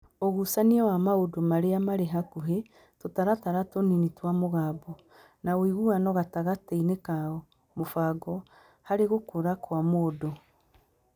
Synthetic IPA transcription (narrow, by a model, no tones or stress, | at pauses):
oɣusaniɛwamaodomaɾeamaɾeɦakuɦe | totaɾataɾatoninitwamoɣabo | nawiɣuanɔɣataɣateineka | mofaɡɔ | haɾeɣokoɾakwamoːdo